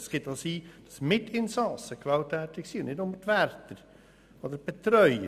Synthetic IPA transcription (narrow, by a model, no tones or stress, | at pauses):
sɡ̥ɪt̪ɑsiːd̥ɑsmɪtɪnsɑsəkvɑltʰːɛːtɪksiːʊnʔnɪdʊmətværtəɾ | ɔd̪əɾb̥ɛt̪ɾœʏə̰